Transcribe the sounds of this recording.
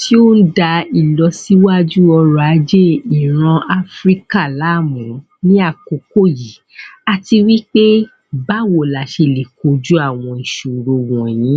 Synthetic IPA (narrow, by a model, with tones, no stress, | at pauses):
tʰi˦o˦n̩˦da˧i˨lɔ˧si˦wa˦d͡ʒu˦ɔ˧ɾɔ˧a˨˧˦d͡ʒe˦˨i˨ɾ̃ã˧a˧fɾi˦ka˦˨la˨˦˨mũ˨˦ | nĩ˦a˦˨ko˨ko˦˨ji˨ | a˧ti˧wi˦k͡pe˦ | ba˦wo˨la˨ʃe˧˨le˨ko˨˦d͡ʒu˦a˦˨w̃ɔ̃˧i˨ʃu˨ɾo˧wɔ̃˨j̃ĩ˨˦